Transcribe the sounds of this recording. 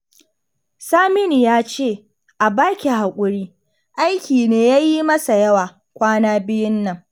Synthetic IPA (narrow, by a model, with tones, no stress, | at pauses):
saː˦mɪ˦ni˨jaː˦t͡ʃeː˦˨ | ʔa˨baː˦kʲi˨ɦa˨kʷʼʊ˦ɽiː˦ | ʔa˦jkʲiː˨neː˦jaː˦ji˦mɐ˦sa˨jɐ˦waː˨ | kʷaː˦naː˦bɪ˦jɪ˦nːɐ˨ŋ